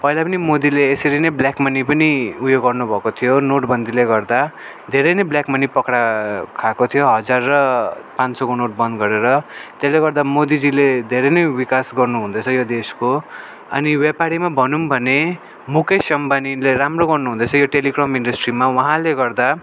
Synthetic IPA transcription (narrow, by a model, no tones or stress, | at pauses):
pʌɦilapʌnimod̪ileːsʌɾinʌjbljakmʌnipʌniujoɡʌrnubʱʌkot̪ʰijonoʈbʱʌnd̪ʱileɡʌrd̪a | d̪ʱeɾʌjnʌjbljakmʌnipʌkɽakʰakot̪ʰijoɦʌd͡zarːʌpãnt͡sʌkonoʈ̚bʌnd̪ɡʌɾeɾʌt̪eleɡʌɾd̪amod̪id͡ziled̪ʱeɾʌnʌjwikasɡʌrnuɦũnd̪ʌt͡sʰʌjod̪esko | ʌ̰niwjepaɾimabʱʌnumbʱʌne | mukʰʌsʌmbanileɾamroɡʌrnuɦũnd̪ʌt͡sʰʌjoʈelikrʌmiɳɖʌsʈrimawʌɦãleɡʌrd̪a